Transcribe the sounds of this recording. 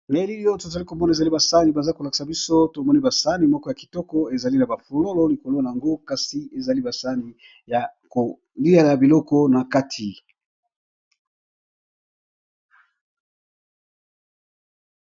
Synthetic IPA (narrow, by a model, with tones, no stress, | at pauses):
ne˨˦li˦li˦o˦to˨za˨li˦ko˨mɔ˦na˨e˨za˨li˦ba˨sa˦ni˨ba˨za˦ko˨lki̥˨sa˨bi˦so˦to˨mɔ˦ni˦ba˨sa˦ni˨mɔ˦kɔ˦ja˨ki̥˨tɔ˦kɔ˦e˨za˨li˦na˨ba˨fu˨lo˦lɔ˦li˨ko˨lo˦na˨a˨ŋɡo˦ka˦si˦e˨za˨li˦ba˨sa˦ni˨ | ja˨ko˨ | li˦a˦la˨bi˨lɔ˦kɔ˦na˨ka˦tʰi˨